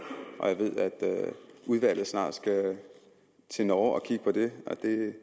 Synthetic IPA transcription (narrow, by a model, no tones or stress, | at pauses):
ʔɒ̽jɑ̈ɪʋe̝ð̞̰ˠæd̥uð̞ˠʋæl̰ð̩ˠsnɑ̰̈ːd̥sɡ̥æ | t͡sʰe̝nɒːɒ̽kʰiɡ̥əpʰɒ̽d̥e̝ɒd̥e̝